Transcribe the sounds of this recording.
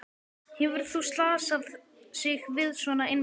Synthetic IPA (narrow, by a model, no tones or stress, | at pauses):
hɛvʏɾ̥θust̪laːsað | sɪɣvɪðsvɔnaɪjn